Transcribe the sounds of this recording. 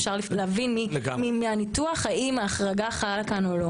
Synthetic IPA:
fʃaʁlifleavinmilɡmimianituaχhaimaːχʁaɡaχaalakanolo

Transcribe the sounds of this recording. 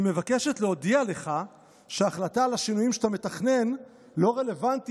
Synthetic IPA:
ime̞vakeʃetleo̞diale̞χa | ʃeaχlatalaʃinujimʃḁt̪ame̞taχne̞n | lo̞ʁe̞le̞vant

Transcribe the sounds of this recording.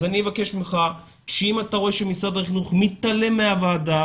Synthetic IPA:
zanievakeʃbimχa | ʃeimat̪aʁo̞e̞ʃemisad̪aχinuχmit̪ale̞meavaːd̪a

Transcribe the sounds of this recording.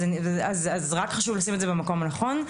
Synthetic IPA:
enveazazʁakχaʃuvlasimetzebemako̞manaχo̞n

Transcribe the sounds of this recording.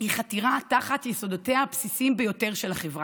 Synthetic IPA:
hiχat̪iʁataχatjiso̞doteapsisimbejo̞te̞ʁʃelaχevʁa

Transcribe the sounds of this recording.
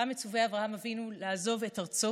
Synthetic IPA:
amet͡suveavʁahamavinulaːzo̞vetaʁt͡so

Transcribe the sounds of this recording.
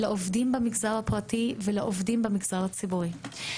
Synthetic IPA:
laʔovdimbamiɡzaʁhapʁativelaʔovdimbemiɡzaʁhat͡sibuʁi

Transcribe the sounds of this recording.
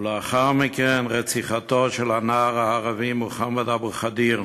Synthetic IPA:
lɛaχaʁmikɛnʁɛt͡siχatotʃɛlanaːʁaːʁavimuχamadabʁχadiʁ

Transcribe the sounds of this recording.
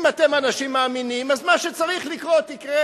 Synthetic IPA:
matemanaʃimːaːminimazmaʃet͡saʁiχlikʁo̞t̪ikʁe

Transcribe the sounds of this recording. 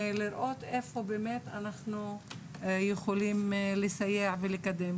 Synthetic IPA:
liɾʔo̞t̪efobemet̪anaχnu | jeχolimlesajeʕvelekad̪em

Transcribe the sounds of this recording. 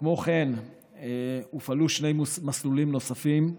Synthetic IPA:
kmo̞χen | eufaluʃne̞jmaslulimno̞safim

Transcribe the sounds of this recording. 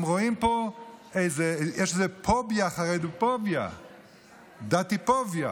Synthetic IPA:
mʁoimpoeɪzɛɛʃzepʰɔbjaːχaʁedɪpɔbja̰ | d̪at̪ɪpɔvja

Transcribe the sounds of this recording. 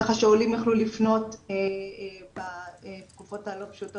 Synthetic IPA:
χaʃeulimjaχlulifno̞tː | batkufo̞thalo̞pʃuto

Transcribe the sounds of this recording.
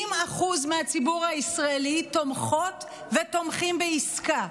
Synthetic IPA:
imaχuzmeat͡sibuʁhaisʁaelit̪o̞mχo̞t | ve̞t̪o̞mχimbeiska

